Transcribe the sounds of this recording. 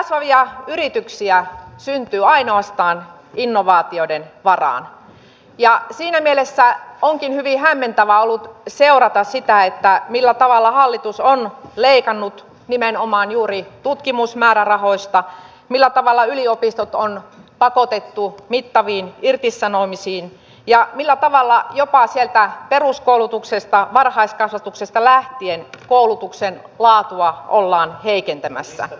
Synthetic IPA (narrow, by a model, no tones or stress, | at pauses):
ksʋɑʋiɑyɾit̪yksiæsynt̪yːɑinoɑst̪ɑːn | inːoʋɑːt̪iodenʋɑrɑ̰ːn | jɑsiːnæmielesːæoŋkinhyʋihæmːent̪æʋæolːut̪seurɑt̪ɑssit̪æet̪ːæmilːæt̪ɑʋɑlːɑhɑlːit̪usonleikɑnːut̪ | nimenomɑːnjuːɾit̪ut̪kimusmæːɾærɑhoist̪ɑ | milːæt̪ɑʋɑlːɑyliopist̪ot̪onpɑkot̪et̪ːumit̪ːɑʋiːnirt̪isːɑnomisiːn | jɑmilːæt̪ɑʋɑlːɑjopɑsielt̪æperuskoˑulut̪uksest̪ɑʋɑrhɑiskɑsʋɑt̪uksest̪ɑlæht̪ienkoulut̪uksen | lɑːt̪uɑʔolːɑːnheikent̪æmæ̰sːæ̰